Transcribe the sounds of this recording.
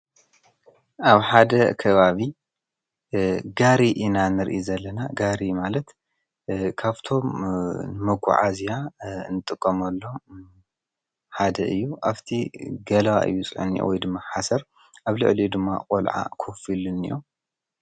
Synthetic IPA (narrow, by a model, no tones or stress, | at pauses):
ʔaβħad̪ɐkʰɐβaβi | ɡaɾiʔɨnanɨɾʔizɐlːɐnaɡaɾimalɐt̪ | kʰaβt̪ʰo̞mnɨmɐkʷʰːṵʕa̰zijanɨt̪ʼɨkʼːɐmɐlːo̞ | ħad̪ɐʔɨjːuʔaβt̪ʰiɡɐlɐwa̰ʔɨ̰jːut͡sʼɨ̰ʕṵnḭjo̰wɔjd̪ɨmːaħasɐɾ | ʔaβlɨ̰ʕlid̪ɨmːa̰qʼolʕa̰kʰofilɨnɨ̰jo